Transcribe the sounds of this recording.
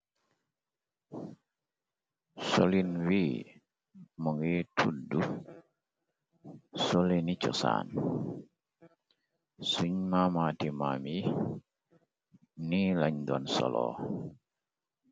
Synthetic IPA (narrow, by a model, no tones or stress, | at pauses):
solinwi | mɔŋitʰudu | solenit͡ʃɔsa̰ːn | suɲmamatimami | nilaɲdɔnsɔ̰lɔ̰